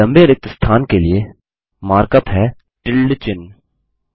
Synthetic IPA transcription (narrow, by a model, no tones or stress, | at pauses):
ɐ̃mbeɾək̚t̪əst̪ʰaːnkelie | maːɾkət̪ɦɛ | ʈɪlːt͡ʃɪn